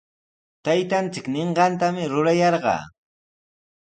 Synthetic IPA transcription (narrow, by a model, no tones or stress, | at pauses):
t̪ajt̪ant͡sɪkneɴɢɑnt̪amɪɾʊɾajɑɾɢɑ̰ː